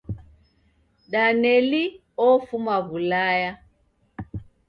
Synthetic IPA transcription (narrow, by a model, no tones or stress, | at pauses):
ɗanɛli | ɔfumaβulaja